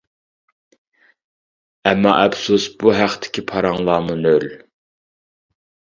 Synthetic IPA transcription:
ɛmːɑ̰ʔɛbsusbuɦæχt̪ʰɪ̥kʲʰipʰɑɾɑŋlˠɑːmunøl

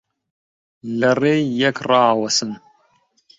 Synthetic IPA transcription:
lɐreːjːɛkrɑːwɐsɨn

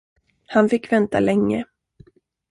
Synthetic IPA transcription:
hanfɪkːvɛnt̪ʰa̰lɛŋːə

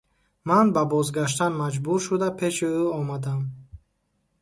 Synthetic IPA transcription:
manbabɔzɡaʃ̬t̪anmad͡ʒbuɾʃud̪apʰe̞ʃiuɔmad̪am

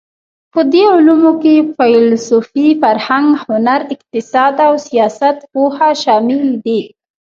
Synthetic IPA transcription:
pəd̪eʊlumokefajlsofifaɾhaŋɡhʊnaɾɪq̚t̪ɪsɑd̪awsijɑsat̪pohaʃɑmɪld̪i

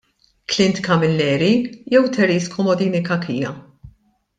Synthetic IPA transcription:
klɪnt̪kɐmɪlːɛːɾijɛwt̪ʰɛɾiːskʰɔmɔd̪iːnɪkɐkʰiːjɐ

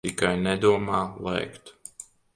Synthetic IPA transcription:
ikajnɛd̪uɔmaːlˠɛ̰jkt̪

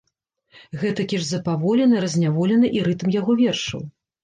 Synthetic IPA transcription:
ɣɛt̪ɐkʲiʐzɐpavɔlʲɛnɐɾɐzʲnʲavɔlʲɛnɐʔiɾɨt̪ɐmjaɣɔvʲɛrʂɐ̰w

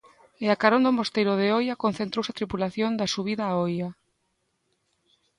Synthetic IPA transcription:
ɪakaɾond̪omost̪ejɾoðeojakon̟θent̪ɾowsat̪ɾipulaθjond̪asuβiðaːoja

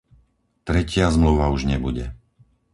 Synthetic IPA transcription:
t̪ɾɛcɪazmluʋauʒɲɛbuɟɛ̰

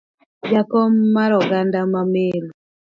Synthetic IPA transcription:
jakɔmaɾɔɡandamamelu

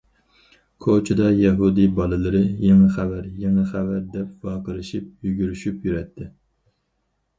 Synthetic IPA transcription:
kʰot͡ʃʰɪd̪ɑjɛɦud̪ibɑlˠɨlˠɨɾɨjeŋɪχævæɾjeŋɪχævæɾd̪ɛpvɑqəɾɪʃip̚jyɡʲyɾyʃypjyɾɛt̪ʰːɪ

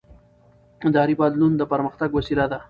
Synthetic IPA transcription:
d̪ɑːɾibɑd̪lund̪əpəɾməxt̪aɡwasilad̪a

